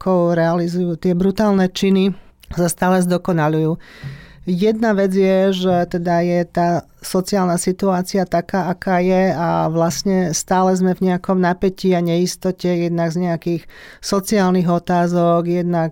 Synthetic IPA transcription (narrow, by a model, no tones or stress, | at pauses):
kɔʊɾɛalizujuːt̪ɪɛbɾut̪aːlnɛt͡ʃini | sast̪aːlɛzd̪ɔkɔnalujuː | jɛd̪̚naʋɛd͡zjɛʒɛt̪ɛd̪ajɛt̪aː | sɔt͡siaːlnasit̪uaːt͡siat̪akaːakaːjɛaʋlasɲɛst̪aːlɛzmɛvɲɛakɔmnapɛciaɲɛist̪ɔcɛjɛd̪naɡzɲɛakiːxsɔt͡siaːlniɣɔt̪aːzɔɡjɛd̪nak